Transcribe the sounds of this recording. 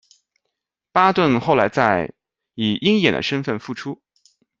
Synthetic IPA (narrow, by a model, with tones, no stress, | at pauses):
pa˥t̪wə˥˧nxo˥˩ʊla˧˥ɪt͡sa˥˩ɪ | i˨˩i˥ŋjɛ̰˨˩nd̪ə̰˦ʂə˥nfə˥˩nfu˥˩ʈ͡ʂʰu˥